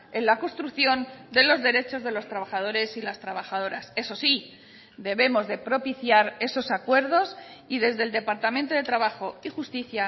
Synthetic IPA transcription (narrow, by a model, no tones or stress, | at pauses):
e̞nlako̞nst̪ɾukθjo̞nd̪e̞lo̞zðe̞ɾe̞t͡ʃo̞zðe̞lo̞st̪ɾaβaχað̞o̞ɾe̞silast̪ɾaβ̞axaðo̞ɾase̞so̞si | d̪e̞βe̞mo̞zðe̞pɾo̞piθjaɾe̞so̞sakwe̞ɾð̞o̞siðe̞zðe̞ld̪epaɾt̪amẽnt̪o̞ðe̞t̪ɾaβaxo̞ixust̪iθja